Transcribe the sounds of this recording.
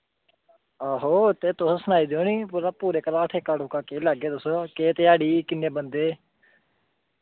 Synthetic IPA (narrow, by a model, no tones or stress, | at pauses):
aːɦoːt̪eːt̪ʊsoːsənaːiːd̪eõːniːpuːɾaːpuːɾeːkəɾaːʈʰeːkəɽʊkaːkeːləɡeːt̪ʊsoːkeːt̪eaːɽiːkɪnːeːbənd̪eː